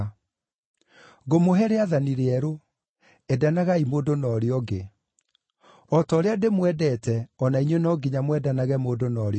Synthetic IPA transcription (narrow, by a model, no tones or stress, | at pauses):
ɣomoɦɛɾeaðaniɾeɛɾo | ɛdanaɣaimoːdonɔːɾeɔɡe | ɔtɔːɾeademwɛdɛtɛɔnaiɲwenɔɡiɲamwɛdanaɣɛmoːdonɔːɾe